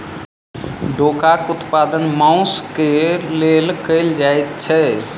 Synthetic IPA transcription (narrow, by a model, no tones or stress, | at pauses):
ɖʱokakut̪pad̪ənmãʊ̃skelelkəjld͡ʒajt̪t͡ʃʰɛ